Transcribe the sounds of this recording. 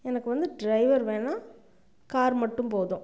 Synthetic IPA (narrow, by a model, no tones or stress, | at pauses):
ɛnɐkːɯʋɐnd̪ɯɖɾɐɪʋɐɾʋẽːnaː | kaːɾmɐʈːɯmpoːðʊ̃